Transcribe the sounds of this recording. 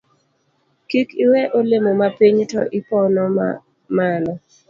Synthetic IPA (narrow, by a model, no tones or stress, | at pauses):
kikiwɛʔolemomapiɲtɔ̰ʔɪpɔnɔ | manɔ